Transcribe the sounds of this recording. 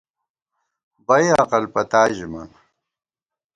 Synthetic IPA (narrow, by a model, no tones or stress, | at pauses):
bɐjɐqɐlpɐt̪aːʑimɐ̰n